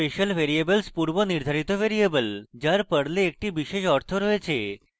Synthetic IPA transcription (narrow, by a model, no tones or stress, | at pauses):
eʃəlʋeɾiebəlspuɾʋəniɾd̪ʱaɾit̪oʋeɾiebəld͡ʑjaɾpəɽleːk̚ʈiʋiʃeʃɔɾt̪ʰoɾoet͡ɕʰe